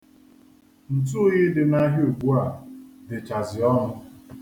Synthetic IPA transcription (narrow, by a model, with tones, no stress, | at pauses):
n̩˨tu˦ɣɪ˦dɪ˨na˦ɦjo˨ɡu˦a˦˨dɪ˨t͡ʃa˨zɪ˨ɔ˦ɦʊ˦